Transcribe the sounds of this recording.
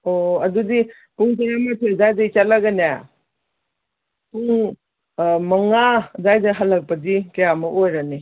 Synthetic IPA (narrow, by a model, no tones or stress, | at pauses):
oɐdudi | puŋtaɾamatʰezajdajt͡ʃalaɡɐnja | puŋ | mɐŋazajdɐɦɐlːɐk̚pɐdikɐjamɐʔojɾani